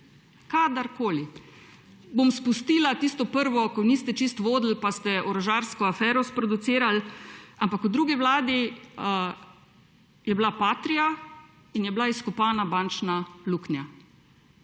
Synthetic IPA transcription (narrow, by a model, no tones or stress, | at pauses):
kad̪aɾkoːli | bomspust̪iːlat̪ist̪ɔpəɾʋɔkɔniːst̪ɛt͡ʃist̪ʋoːd̪l̩past̪ɛʔɔɾɔʒaːɾskɔafɛːɾɔspɾɔd̪ut̪siːɾalampakud̪ɾuːɡiʋlaːd̪i | jɛblapaːt̪ɾija | injɛblaiskupaːnabaːnt͡ʃnaluknja